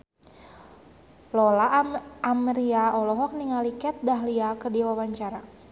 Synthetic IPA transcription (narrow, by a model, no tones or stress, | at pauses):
lɔlaamɾiaɔlɔɦɔk̚niŋalikɛt̪̚daɦliakərdiwawaɲt͡ʃaɾa